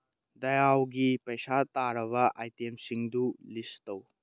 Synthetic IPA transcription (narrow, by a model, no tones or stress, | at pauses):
dɐjawɡipɐjsataɾɐβɐʔajtemsiŋdulistɐw